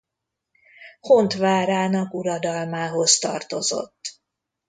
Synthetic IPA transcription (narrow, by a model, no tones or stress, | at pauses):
hont̪ʋaːɾaːnɒkuɾɒd̪ɒlmaːɦo̞zt̪ɒ̰rt̪o̞zo̞̰t̪ː